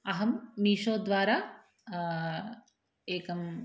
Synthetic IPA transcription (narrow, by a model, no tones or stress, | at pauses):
ɐɦɐmːiːʃoːd̪ʋaːɾaː | eːkɐm